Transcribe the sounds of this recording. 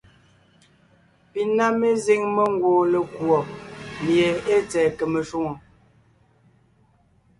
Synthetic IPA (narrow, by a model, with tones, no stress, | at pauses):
pi˨na˦me˦ze˦ŋme˦ŋ˦ɡwoː˨le˨kwɔ˨mje˨e˦t͡sɛː˨kə˨me˨ʃu˦ŋo˨